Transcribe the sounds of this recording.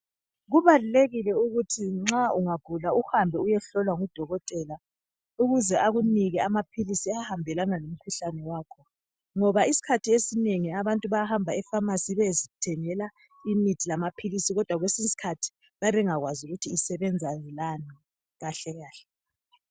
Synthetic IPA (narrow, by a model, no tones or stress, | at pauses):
ɣuβaluleɣilɛuɣutʰiŋ͡ǁauŋaɡ̥ʱulauhambʱɛujɛɬɔlwaŋud̥ʱɔɣɔtʼɛla | uɣuzɛʔaɣuniɣɛamapʰilisiahambʱɛlanalom̩kʰuɬanɛwaːkʰɔ | ŋɔβaisi̥kʰatʰiesineŋiaβantʼuβajahambʱaɛfamasiβezitʰɛŋɛla | imitʰilamapʰilisiɣɔd̥ʱwaɣwesisi̥kʰatʰi̥ | βajaβɛŋaɣwazuɣutʰiːsɛβɛnd͡zʱalani | ɣaɬɛɣaːɬɛ̥